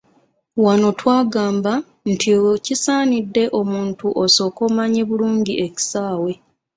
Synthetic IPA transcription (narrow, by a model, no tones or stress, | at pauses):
wano̞twaːɡaːmba | ntʰicisaːnidːe̞ʔo̞muːntuʔoso̞ːko̞ːmaɲeβuluːɲɟiʔeci̥saːwe̞